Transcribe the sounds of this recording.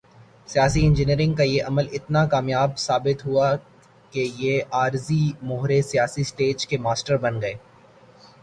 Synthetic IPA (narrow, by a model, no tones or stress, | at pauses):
sijaːsiɪ̃nd͡ʒɪniːɾɪ̃ŋɡkajeʔɐməlɪt̪nakaːmjaːbsaːbɪt̪ɦua | kejeaːɾzimʊɦɾesijaːsisʈeːd͡ʒkemaːsʈəɾbɐnɡɐeː